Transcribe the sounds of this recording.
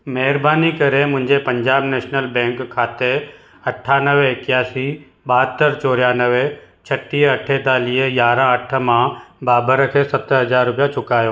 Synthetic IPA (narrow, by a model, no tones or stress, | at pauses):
mɛɦɪɾbaːnikɐɾemʊ̃ɦɪ̃ɲd͡ʑepɐ̃ɲd͡ʑaːbneːʃnəlbɛ̃ːŋkʰːaːt̪e | ɐʈʰːaːnəʋeɪkjaːsi | ɓaːt̪ːəɾt͡ʃoːɾjanəʋe | t͡ʃʰɐʈːiɐʈʰet̪aːliejaːɾãɐʈʰə̆mãbaːbəɾəkʰesɐt̪ɦɐd͡ʑaːɾːʊpijat͡ʃʊkaːjoː